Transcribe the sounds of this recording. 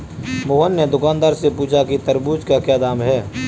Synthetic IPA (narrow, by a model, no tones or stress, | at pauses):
moːɦənːed̪ʊkaːnd̪aːɾsepuːt͡ʃʰakit̪əɾbuːd͡ʒkakjaːd̪aːmɦɛː